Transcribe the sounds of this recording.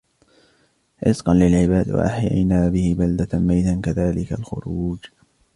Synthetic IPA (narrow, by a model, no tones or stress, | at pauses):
ʕɪzqɑnlɪlʕɪbaːd̪wa̰ʔaħja̰jnaːbɪhɪbald̪amajt̪ankaðaːlɪkalxʊ̰ɾuːd͡ʒ